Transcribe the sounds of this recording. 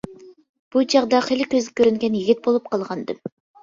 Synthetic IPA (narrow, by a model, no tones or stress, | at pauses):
b̥ud͡ʒɑʁd̪ɑχelɪkʲøzɡɛkʲʰøɾyŋɡʲɛnjiɡʲit̪̚bolˠup̚qʰɑlˠʁɑnd̪ɨm